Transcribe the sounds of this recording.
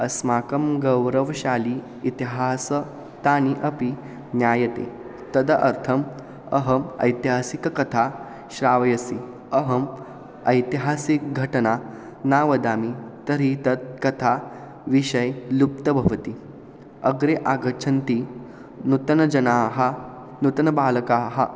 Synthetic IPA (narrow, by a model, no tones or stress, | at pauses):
ɐsmaːkɐmɡɐwɾəʋɐɕaːliː | t̪iɦasə | t̪aːniʔɐpi | njaːjɐt̪ḛ | t̪ɐd̪ɐʔɐɾt̪ʰɐm | ɐɦɐmɐ̰jt̪iɦaːsikɐkɐt̪ʰa | ɕɾaːʋɐjɐsi | ɐɦɐm | ɐjt̪iɦaːsikɡʱɐʈɐna | naːʋɐd̪aːmit̪ɐɾit̪ɐt̪̚kɐt̪ʰa | ʋiɕɐjlup̚t̪ɐbʱɐʋɐt̪i | ɐɡɾeʔaɡɐɾt͡ʃʰɐnt̪i | nut̪ɐnɐd͡ʒɐnaːɦɐ | nut̪ɐnɐbaːlɐkaɦɐ